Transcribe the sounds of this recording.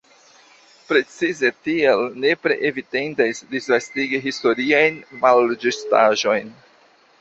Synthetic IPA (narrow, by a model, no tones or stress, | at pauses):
pɾe̞t͡size̞tielne̞pɾḛʔevidendasdisvastiɡiɦisto̞ɾiajnmalːed͡ʒistaʒo̞jn